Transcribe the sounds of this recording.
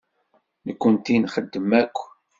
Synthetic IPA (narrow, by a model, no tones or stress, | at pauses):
nəkʷːənt̪inχəd̪ːəmækʷː